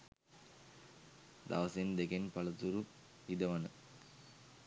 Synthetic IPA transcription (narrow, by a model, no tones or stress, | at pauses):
d̪a̰ʋɐsend̪eɡenpɐlɐt̪uɾu | id̪ɐʋɐnə